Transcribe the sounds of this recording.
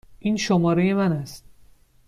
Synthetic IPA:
ʔiːnʃomɒːɾe̞je̞mænæst̪̚

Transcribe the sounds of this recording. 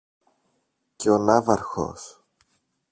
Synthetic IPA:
ceo̞nɐvɐɾxo̞̰s

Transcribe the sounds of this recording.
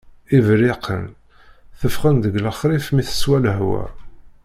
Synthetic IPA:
ivɾɪqʰə̰n | θəfχənd̪əɡləχɾifmiθə̥swæləɦwæ̰

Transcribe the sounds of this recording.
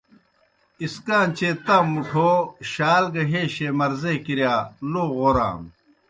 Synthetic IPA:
iskaːnt͡ɕet̪aːmuʈʰoːɕaːlɡɐɦeːɕemɐɾzekiɾjaːloːɣoɾa̰ːm

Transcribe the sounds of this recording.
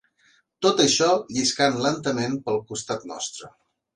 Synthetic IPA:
t̪ot̪əʃɔʎiskanlənt̪əmenpəlˠkust̪at̪nɔ̰st̪ɾə

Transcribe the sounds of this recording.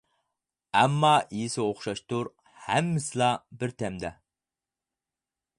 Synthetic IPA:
æmːɑijɪsɪoχʃɑʃt̪uɾ | hæmːɪslˠɑbɪɾt̪ʰæmd̪æ

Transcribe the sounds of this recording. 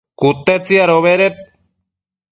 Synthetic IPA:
kut̪ːet͡siaɾoβeɾep̚

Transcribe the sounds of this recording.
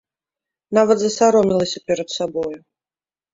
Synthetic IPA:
navɐt̪zɐsaɾɔmʲilˠɐsʲɐpʲɛɾɐt̪sabɔju

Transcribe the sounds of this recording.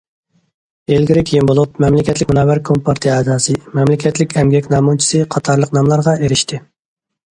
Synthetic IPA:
elɡʲiɾɪkʲʰijinbolˠup̚mɛmlɪkʲɛt̪lɪk̚ʲmunɑːwæɾkʰompʰɑɾt̪ʰɨɛːd̪ɑːsɨmɛmlɪkʲʰɛt̪lɪkʲɛmɡʲɛkʲnɑːmut͡ʃʰi̥sɨqʰɑt̪ʰɑɾlˠəqnɑmlˠɑɾʁɑʔeɾɪʃt̪ʰɪ

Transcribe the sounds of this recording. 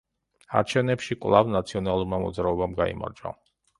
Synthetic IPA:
a̰ɾt͡ʃʰɛvnɛpʃikʼvlˠavnat̪sʰiɔnalˠuɾmamɔd̪zɾaɔbamɡaḭma̰ɾd͡ʒa̰

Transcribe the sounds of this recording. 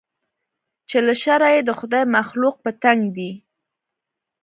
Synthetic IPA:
t͡ʃelaʃaɾajed̪əxʊd̪ajmaxluq̚pət̪aŋɡd̪i

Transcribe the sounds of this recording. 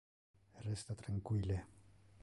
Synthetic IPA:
rɛst̪at̪raŋkwiːlɛ

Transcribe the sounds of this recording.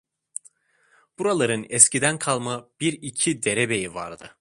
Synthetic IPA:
b̥uɾalˠaɾɯnɛscid̪ænkʰalˠmab̥iɾicʰid̪eɾebe̞jivaɾd̪ɯ̰

